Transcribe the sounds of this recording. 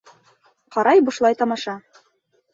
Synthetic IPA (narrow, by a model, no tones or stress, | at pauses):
qɒɾɑjbŏʃlˠɑjt̪ɒmɑʃɑ